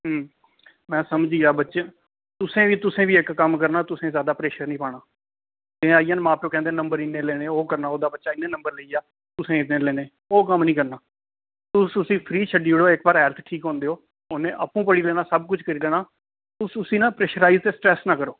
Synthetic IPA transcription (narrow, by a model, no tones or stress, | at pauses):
ɦː | mɛ̃ːsəmd͡ʒiːaːbətːʃeː | t̪ʊsẽːʋiːt̪ʊsẽːʋiːɪkːəmkəɾnaːt̪ʊsẽːzjaːd̪aːpɾeːʃəɾnĩːpaːɽaː | t̪ɪ̃ːaːijãːnmãːpjoːkɛ̃ːnd̪eːnəmbəɾɪnːeːleːneːoːkəɾnaːoːd̪aːbətːʃaːɪnːẽːnəmbəɾləiːjaː | t̪ʊsẽːɪt̪ẽːleːneː | oːkəmnĩːkəɾnaː | t̪ʊsʊsĩːpʰɾiːt͡ʃʰəɖiːʋɪɽoːɪkbaːɾɦɛːlt̪ʰʈʰiːkɦõːnd̪eːɦoː | onẽːʔəpːũːpəɽiːlɛːnaːsəbkʊt͡ʃʰkəɾiːlɛːnaː | t̪ʊsʊsĩːnãːpɾɛːʃəɾaːiːzt̪eːsʈɾɛːsnãːkəɾoː